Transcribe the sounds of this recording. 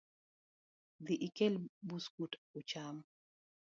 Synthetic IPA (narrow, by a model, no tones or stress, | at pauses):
d̪iʔikɛlbuskutut͡ʃam